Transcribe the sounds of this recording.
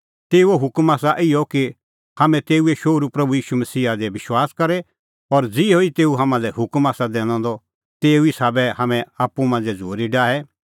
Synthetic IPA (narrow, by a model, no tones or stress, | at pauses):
t̪eːuoɦʊkmaːsaʔɪjɔki | hamɛ̃t̪eːueʃoːɾupɾɐbujiːʃumɐsiːɦad̪ɛʋɪʃwaːskɐɾɛ | ɔɾd͡zɪoit̪eːuɦamãlɛhʊkmaːsad̪eːɽ̃ãːnd̪ɔ | t̪eːuisaːbɛhamɛ̃aːpːumãːnd͡zɛd͡zʱo̰ːɾiɖaːɛ